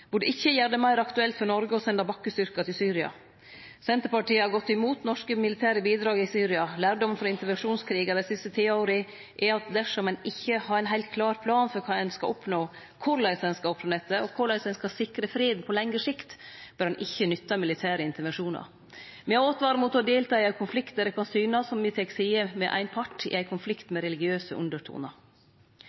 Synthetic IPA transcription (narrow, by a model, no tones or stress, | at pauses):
bʊɖəʔɪçːəjæɖ̪əmɑɪɾɑkt̪ʉɛlt̪fɔnɔɾɡəɔsɛnd̪ɑbɑkːəst̪ʏɾkɑt̪ʰɪlsyːɾɪɑ̰ | sɛnt̪əɾpɑʈiːəhɑɡɔt̪ːɪmuːt̪nɔʂkəmɪlɪt̪ʰæːɾəbiːd̪ɾɑːɡɪsyːɾɪɑlæːɾɖɔmnfɾɑɪnt̪əɾʋɛnʂuːnskʰɾiːɡɑd̪æɪsɪst̪ət̪ʰiːoːɾə | ʔɛɑt̪̚d̪æʂɔmɛnɪçːəhɑɾɛɪnɦæɪlt̪̚kʰlɑːɾpʰlɑːnfɔɾkʰɑːɛnskɑ̰ʔɔpnoː | kʰʊɾlæɪsɛnskɑlɔpːfɑnɛt̪ːəɔkʰʊɭæɪsɛɪnskɑsɪkɾəfɾeːd̪n̩pʰɔlɛŋɾəʂɪkt̪b̥œɾhɑnʔɪçːənʏt̪ːɑmɪlɪt̪ʰæːɾəɪnt̪əɾʋɛnʂuːnɑ̰ɾ | mɛæoːt̪ʋɑːɾəmuːt̪ɔd̪eːlt̪ʰɑːɪæɪkʰʊnflɪkt̪d̪əɾɛkʰɑnsyːnɑsɔmːɪt̪ʰɛksiːəmɛʔæ̰ɪnpʰɑʈːɪ̰æɪkʰʊnflɪkt̪mɛɾɛlɪɡɪøːsəʔʉ̰nd̪əʈʰṵːnɑɾ